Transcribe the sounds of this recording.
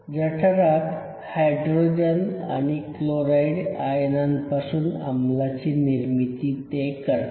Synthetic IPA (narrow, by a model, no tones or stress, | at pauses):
d͡zəʈʰaɾak | hajɖɾod͡ʑena̰ɽ̃ikloɾaiɖajnanpasuːna̰mlat͡ɕiːniɾmit̪iːt̪ekəɾ